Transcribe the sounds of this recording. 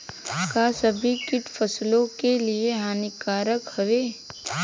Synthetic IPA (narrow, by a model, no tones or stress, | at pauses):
kaːsɐbʱikɪʈ̪fʰɐslõkelieɦaːnikaːɾəkhɐʋeː